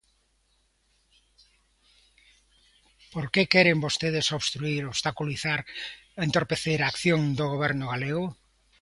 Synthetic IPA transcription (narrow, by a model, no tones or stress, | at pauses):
poɾkekɛɾembost̪eð̞esoβst̪ɾuiɾoβst̪akuliθaɾent̪oɾpeθeɾaːkθjoŋd̪oɣ̞oβ̞ɛɾnʊɣaleɣʊ